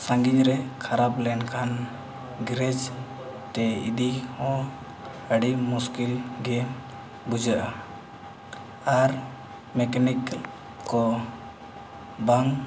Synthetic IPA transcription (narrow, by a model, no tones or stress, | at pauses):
sãŋɡiɲɾɛkʰaɾaplɛnkʰan | ɡɾɛd͡ʒ | t̪ɛḭd̪ihɔ̃ | əɽimuskilɡɛ | bud͡ʒaʔa | aɾ | mɛkanik | kɔ | baŋ